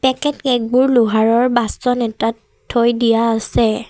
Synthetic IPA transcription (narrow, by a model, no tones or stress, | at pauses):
pɛkɛtɛk̚bʊɹluɦaɹɔɹbastɔnɛtat | tʰːojdijaːsɛ